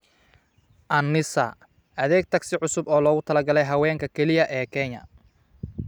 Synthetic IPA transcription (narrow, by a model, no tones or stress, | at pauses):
ʔɐnːɪsɐ̰ | ɐðɛːɡ̚t̪ʰɐɡsɪʕʊsʊbɔːlɔːɣʊt̪ʰɐlɐɡɐlɛjɦɐwɛːŋkʰɐkʰɛlɪjɐʔɛːkʰɛɲɐ̰